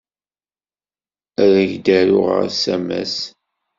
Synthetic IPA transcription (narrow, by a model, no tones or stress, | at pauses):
æɾæʝd̪æɾʊʁə̰ɾsæmæ̰s